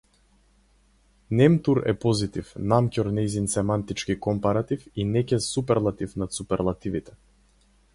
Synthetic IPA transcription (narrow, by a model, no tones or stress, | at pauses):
nɛmt̪uɾɛ̰pɔzit̪ifnamcɔɾnɛjzinsɛmant̪it͡ʃkikɔmpaɾat̪ifinɛcɛsupɛɾlˠat̪ifnat̪supɛɾlˠat̪ivit̪ɛ̥